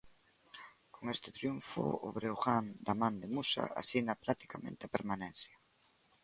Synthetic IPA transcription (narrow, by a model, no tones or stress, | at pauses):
koŋest̪ɪt̪ɾjuɱfʊ̰o̰βɾeoɣand̪amãnd̪emusa̰a̰sinɐplat̪i̥kamḛ̃nt̪ɪapeɾmanen̟θjɐ